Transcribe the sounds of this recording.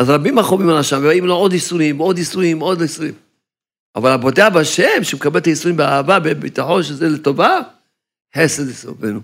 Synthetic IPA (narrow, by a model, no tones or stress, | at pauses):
azʁabimaχomimalaʃamvebaimloo̞d̪isuimod̪isuimo̞d̪lojisuim | ʔa̰valabodeabaʃemʃemekabelt̪ajisuʁimbeaavabebit̪aħo̞nʃezelet̪o̞va | ħesed̪isovenu